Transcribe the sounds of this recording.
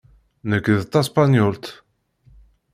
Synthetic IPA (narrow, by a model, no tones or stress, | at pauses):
nəkːðt̪ːaspanjʊlt̪